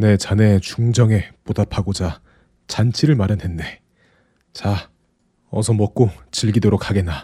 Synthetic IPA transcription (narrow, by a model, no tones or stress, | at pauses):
ne̞t͡ɕane̞t͡ɕuŋd͡ʑʌŋe̞podapʰaɡod͡ʑa | t͡ɕant͡ɕʰiɾɯɭmaɾjanɦe̞nːe̞ | t͡ɕa | ʌsʰʌmʌk̚k͈ot͡ɕiɭɡidoɾok̚ʰaɡe̞nːa